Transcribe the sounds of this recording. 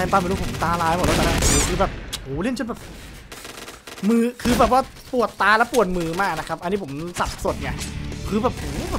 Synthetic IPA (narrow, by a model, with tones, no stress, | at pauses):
ɛ˧t̪aː˧mː˨˧˦pʰo˩˦t̪aː˧laː˧jmɔ˨˩lɔː˦˥ma˧˥naː˧˩˧kʰɯː˧bɛː˨˩p̚ʔuː˨˩˦le˥˩nt͡ɕʰnbɛː˨˩p̚ | mɯː˧˩kʰɯː˧bɛː˨˩p̬̚waː˥˩ | pu˨˩ət̪ːaː˧lɛː˦˥wpu˨˩ət̪̚mɯː˨˩maː˥˩k̚na˦˥kʰa˦˥p̚ʔnːiː˦˥pʰo˩˦msa˨˩p̚so˨˩t̪̚ni˥˩ɐkʰɯː˧bɛː˨˩p̚ʔuː˨˩˦b̚ː